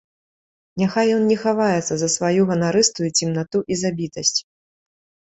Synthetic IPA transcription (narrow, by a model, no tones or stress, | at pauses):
nʲaxajːɔnnʲɛxavajɛt̪sːɐzɐsvajuɣɐnaɾɨst̪ujut͡sʲimnat̪uʔizabʲit̪ɐsʲt͡sʲ